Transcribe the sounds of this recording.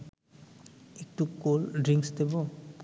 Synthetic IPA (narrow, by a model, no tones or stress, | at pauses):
ek̚ʈukolɖɹiŋksd̪ebɔ